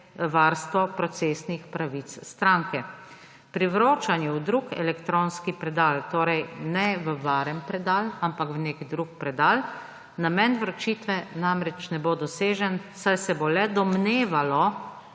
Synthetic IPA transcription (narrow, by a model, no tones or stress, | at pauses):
ʋaːɾst̪ʋɔpɾɔt̪seːsnixpɾaʋit̪sst̪ɾaŋkɛ | pɾiʋɾoːt͡ʃanjɛwd̪ɾukɛ̰lɛkt̪ɾoːnskipɾɛd̪aːlt̪oːɾɛjnɛʋəʋaɾɛmpɾɛd̪aːlampakʋnekd̪ɾuk̚pɾɛd̪aːl | namɛnʋɾɔt͡ʃit̪ʋɛnamɾɛt͡ʃnɛbod̪ɔseːʒɛnsajsɛbolɛd̪ɔmneːʋalɔ